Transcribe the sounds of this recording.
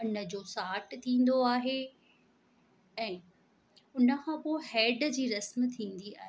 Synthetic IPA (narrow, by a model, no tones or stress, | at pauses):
ʊnə̆d͡ʑoːsaːʈt̪ʰĩːn̆d̪oaːɦe | ɛ̃ː | ʊnə̆kʰãːpoːhɛːɖd͡ʑiːɾɐsmt̪ʰĩːn̆d̪ia̰ːɦe